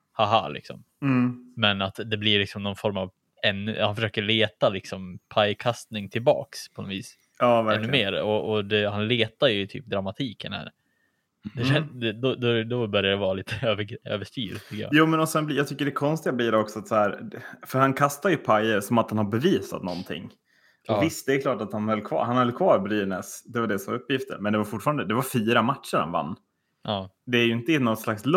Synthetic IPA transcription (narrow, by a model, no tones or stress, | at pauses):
haɦa̰lɪ̰ksɔ̰m | m̩mɛnat̪d̪ɛblɪlɪksɔmnɔnfɔɾmav | ɛn̰ːhanfœʂøːkəɭeːt̪alɪksɔmpʰajkʰast̪nɪŋt̪ʰɪlbɑ̰ːkspʰɔnɔviːs | ɑːvæɾɛnːʉmeːɾɔʔɔd̪ɛhanleːt̪aɾjɵɪt̪ʰy̰ːp̚d̪ɾamat̪ʰiːkənhæ̰ːɾ | d̪ɛɛnd̪ɛd̪ɔd̪ɔd̪ɔbœɾjad̪ɛvɑːaliːt̪ʰəøːvəø̰ːvəʂt̪y̰ːɾt̪ʰʏkːəja̰ːjuːmɛnɔsɛnbljɑːɡt̪ʰʏkːəɖɛkʰɔnst̪ɪɡabliːdɛɔksɔat̪sahæːɾfœɾhankʰast̪ajɵpʰajəɾsɔmat̪hanhaɾbɛviːsa̰t̪nɔ̰nt̪ʰɪ̰ŋː | ɔvɪst̪̚d̪ɛɛkʰlɑːʈat̪hanhœlːkʰvɑ̰ːɾhanhœlːkʰvɑːɾbɾyːnɛsd̪ɛvaɖɛsɔmɵpːjɪft̪ʰə̰ɾmɛnd̪ɛvaɾfʊʈːfɑːɾand̪əd̪ɛvaɾfiːɾamat̪ʂəɾha̰nva̰nː | ʔɑːd̪ɛːɾjɵɪnt̪əɛnɔt̪slaksl